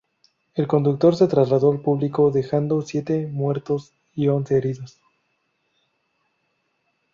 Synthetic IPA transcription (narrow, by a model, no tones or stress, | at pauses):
e̞lko̞nd̪uk̚t̪o̞ɾse̞t̪ɾazlaðo̞alpuβliko̞ðe̞xand̪o̞sje̞t̪e̞mwe̞ɾt̪o̞s | io̞nseːɾiðos